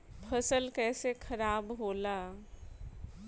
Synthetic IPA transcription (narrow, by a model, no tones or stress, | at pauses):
pʰɐsəlkɛːsekʰɐɾaːbɦoːlaː